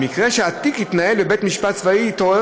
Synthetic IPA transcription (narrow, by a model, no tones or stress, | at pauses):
mikʁeʃeat̪ikhit̪nahelbebet̪miʃpat̪̚svaiːt̪oe